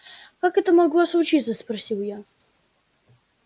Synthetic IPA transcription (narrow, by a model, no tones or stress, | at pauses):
kakɛt̪əmɐɡoɐslʊt͡ʃit̪səsprɐsʲiwja